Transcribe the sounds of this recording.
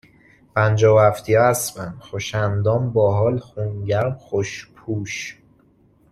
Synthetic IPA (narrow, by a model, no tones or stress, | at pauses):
pʰænd͡ʒɒːvæft̪ʰijɒæsbænxoʃænd̪ɒːmbɒːɦɒːlxunɟæɾmxoʃpʰuːʃ